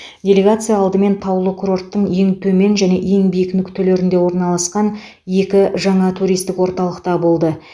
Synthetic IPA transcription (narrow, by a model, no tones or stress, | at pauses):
dʲe̞lʲe̞ɡat̪sɨjaːlˠd̪əme̞nt̪ʰɑwlˠəkʰuɾo̞rt̪ːəɴe̞ŋt̪ʰɵme̞nʒæne̞ʔe̞ŋbijɪknɪkt̪ʰɵle̞ɾɪnd̪e̞wo̞ɾnɑlˠɑsqɑn | je̞kʲɪʒɑɴɑt̪ʰuɾʲijst̪ɪkwo̞ɾt̪ɑlˠəqt̪ɑbo̞lˠd̪ə